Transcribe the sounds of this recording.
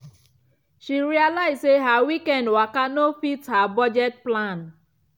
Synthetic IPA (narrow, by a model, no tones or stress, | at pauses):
ʃiɾialaɪzseɦawikɛ̃ndwakanofithabɔd͡ʒɛt̚plãn